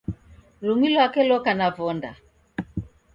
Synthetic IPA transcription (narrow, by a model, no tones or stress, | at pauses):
luŋilɔakɛlɔkanavɔnda̰